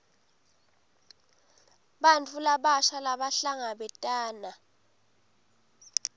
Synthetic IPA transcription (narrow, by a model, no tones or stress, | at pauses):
ɓant͡fʰʼulaɓaʃalaɓaɬaŋaɓɛtʼaːna